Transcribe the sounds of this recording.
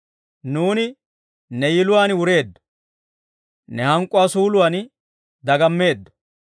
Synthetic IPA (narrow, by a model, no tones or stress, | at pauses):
nuːnɪ | nɛjɪlʊwaːnɪwʊɾe̞ːd̪ːɔ̥ | nɛhɐŋkʼːʊwaːsuːlʊwaːn | d̪ɐɡɐmːe̞ːd̪ːɔ̥